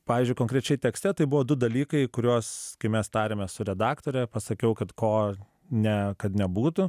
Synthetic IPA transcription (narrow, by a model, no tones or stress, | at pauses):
pɑːʋʲizʲd͡ʒʲʊɪkõŋkɾʲɛt͡ʃʲɛɪt̪ʲɛksʲt̪ʲɛt̪ɐɪbʊʋoːd̪ʊd̪ɐlʲiːkɐɪkʊɾʲuːskɐɪmʲɛst̪ɑːɾʲeːmʲɛssʊɾʲɛd̪ɑːkt̪oːɾʲɛpɐsɐkʲɛʊkɐt̪koː | nʲɛkɐt̪nʲɛbuːt̪ʊ